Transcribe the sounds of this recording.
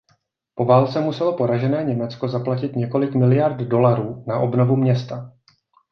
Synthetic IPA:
po̞vaːlt͡sɛmusɛlo̞po̞ɾaʒɛnɛːɲɛmɛt͡sko̞zaplacɪt̪ɲɛko̞lɪkmɪlɪjaɾd̪do̞laɾuːnaʔo̞bno̞vumɲɛst̪a

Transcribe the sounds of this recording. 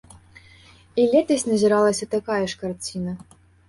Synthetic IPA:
ilʲɛt̪ɐsʲnɐzʲiɾalˠɐsʲɐt̪akajɐʂkart͡sʲinɐ

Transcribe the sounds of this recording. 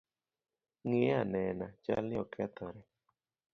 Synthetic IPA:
ŋeanɛnat͡ʃa̰lnɪɔkʰɛt̪ʰɔɾɛ

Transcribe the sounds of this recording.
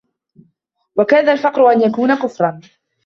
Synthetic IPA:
wakaːðalfɑqɾʊʔanjakuːnakʊfɾˤɑn

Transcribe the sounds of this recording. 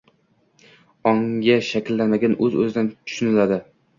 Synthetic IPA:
ɒŋɡʲaʃakʲɪlːanmaɡʲanɵzɵ̰zɪd̪ant̪ʰʊ̥ʃʊnɪlad̪ɪ

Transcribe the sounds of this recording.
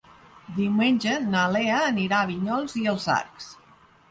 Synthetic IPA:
d̪iwmenʲʒənaleəːniɾaːβiɲɔlˠziəlˠza̰ɾks

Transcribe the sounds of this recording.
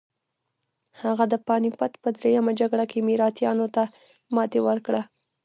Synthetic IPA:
haɣad̪əpɑnipat̪pəd̪ɾejamad͡ʒaɡɽakemiɾɑt̪jɑnot̪a | mɑt̪ewəɾkɽa

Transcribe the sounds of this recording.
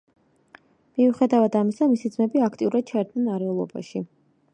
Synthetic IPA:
miuχɛd̪avad̪amisamisid̪zmɛbiakʰt̪ʼiuɾad̪̥̚t͡ʃʰaɛɾd̪nɛnaɾɛlˠɔ̰ba̰ʃi

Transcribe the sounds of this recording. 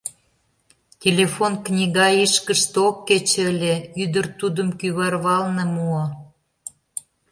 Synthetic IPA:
tʲelʲefonknʲiɣɑiʃkəʃt̪okːet͡ɕølʲeyd̪ərt̪ud̪əmkyβɑrβɑlnĕmuɑ

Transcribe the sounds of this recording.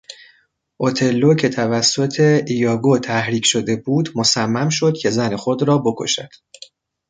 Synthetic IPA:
ʔot̪ʰe̞lːocʰe̞t̪ʰævæsːo̞t̪ʰe̞ijɒːɡot̪ʰæhɾiːcʰʃo̞d̪e̞buːd̪mo̞sæmːæmʃo̞d̪̥cʲʰe̞zæne̞xo̞d̪ɾɒːbo̞kʰo̞̰ʃæ̰d̪̥

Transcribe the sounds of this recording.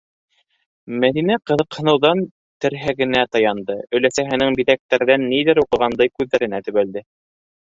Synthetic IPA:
mæðinæqɤ̆ðɤ̆qhɤ̆nɤ̆wðɑn | t̪ɘ̆ɾɦæɡɘ̆næt̪ɑjɑnd̪ɤɵ̆læsæɦɘ̆nɘŋbiðæk̚t̪æɾðænːiðɘɾuqɤ̆ʁɑnd̪ɑjkʉðːæɾɘ̆næt̪ɵ̆βæld̪ɘ

